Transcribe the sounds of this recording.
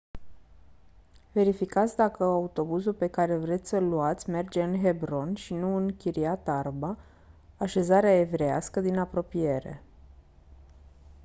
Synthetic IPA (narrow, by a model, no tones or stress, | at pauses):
ve̞ɾifikat̪sʲd̪akəaut̪o̞buzulpe̞kaɾe̞vɾe̞t̪sʲsəluat̪sʲme̞rd͡ʒe̞ɨnɦe̞bɾo̞nʃinuɨŋkʲiɾiat̪arbaː | ʃe̞zaɾeae̞vɾe̞a̰skəd̪inapɾo̞pije̞ɾe̞̰